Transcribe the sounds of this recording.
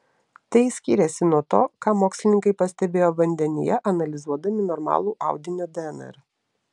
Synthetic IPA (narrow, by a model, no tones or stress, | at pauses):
t̪ɐɪsʲkʲiːɾʲɛsʲɪnuɔt̪o̰ːkɑːmoːksʲlʲɪnʲɪŋkɐɪpɐsʲt̪ʲɛbʲeːjoːʋɐnʲd̪ʲɛnʲɪ̰jɛʔɐnɐlʲɪzuɔd̪ɐmʲɪnɔɾmɑ̰ːlˠuːʔɑʊd̪ʲɪnʲoːd̪ʲɛɛnɛ̰ɾ